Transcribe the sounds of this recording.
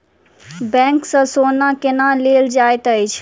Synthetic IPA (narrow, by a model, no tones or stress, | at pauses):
bɛ̃ŋksə̃sonakenaleld͡ʒajt̪əjt͡ʃʰ